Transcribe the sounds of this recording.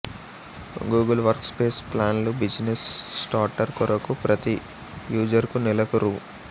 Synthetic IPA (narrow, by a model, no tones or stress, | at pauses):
ɡuːɡɐlʋɐɾkspeːsplaːnlubid͡ʒnesːʈaːɾʈɐɾkuɾɐkupɾʔɐt̪i | juːd͡ʒɐɾkunilɐkuɾu